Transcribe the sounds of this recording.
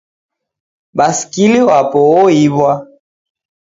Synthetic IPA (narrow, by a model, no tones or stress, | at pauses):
ɓasi̥kiliwapɔɔiβwa